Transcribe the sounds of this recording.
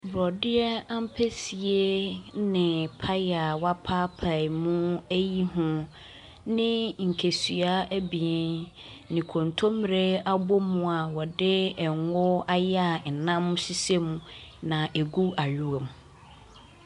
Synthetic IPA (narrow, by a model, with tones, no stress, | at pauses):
bɾɔ˨dɪ˦ɛ˦ã˦m̩˦pʰe˦si˨e˦nɪ̃˨pʰa˦ja˨wa˦pʰaː˦pʰa˨ɪ˨mʊ̃˦æ˦ji˦ɦʊ̃˦ | nɪ̃˦ŋ̩˨kʰe˨sɥa˦æ˦bi˨ɛ˨ | nɪ̃˨kʰõ˨ntʰõ˦m˨ɾe˦a˦bo˦mũ˦a˨wɔ˨dɪ˦ɛ˨ŋʊ˦a˦ja˦˨n̩˨nã˦m˦si˦se˦mũ˦nã˨ʔe˨ɡu˦a˨jᶣu˦e˨m˨˦